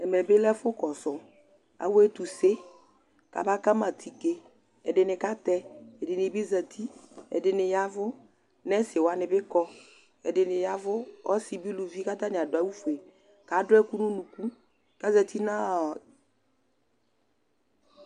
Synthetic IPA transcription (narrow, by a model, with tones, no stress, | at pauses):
ɛ˨mɛ˨bɪ˦lɛ˦fʊ˦kɔ˨sɔ˨ | a̰˨wʊ˦ɛ˦t̪u˨se˦ | ka̰˨ba˦ka˦ma˨t̪ʰi˨ke˦ | ɛ˨dɪ˨nɪ˨ka˦t̪ɛ˦ɛ˨dɪ˨nɪ˨bɪ˦za˨t̪ʰi˦ɛ̰˨dɪ˨nɪ˨ja˦vʊ˦ | nɛ˦sɪ˨wa˨nɪ˨bɪ˦kɔ˦ | ɛ˨dɪ˨nɪ˨ja˦vʊ˦ɔ̰˦si˨bi˦lu˨vi˦ka˦t̪a˦nɪ˨a˨dʊ˨a˨˦wu˦fu˨e˨ | ka˨˦dʊ˦ɛ˦ku˦nu˦nũ˨ku˦ | ka˦za˨t̪i˦nã˦